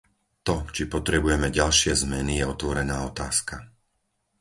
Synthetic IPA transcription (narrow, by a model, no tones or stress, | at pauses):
t̪ɔt͡ʃipɔt̪ɾɛbujɛmɛɟalʃɪɛzmɛnijɛɔt̪ʋɔɾɛnaːɔt̪aːska